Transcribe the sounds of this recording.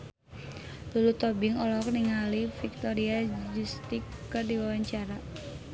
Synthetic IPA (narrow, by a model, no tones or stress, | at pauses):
lulut̪ɔbɪŋɔlɔɦɔk̚niŋalifik̚t̪ɔɾiad͡ʒust̪ikːərdiwawaɲt͡ʃaɾa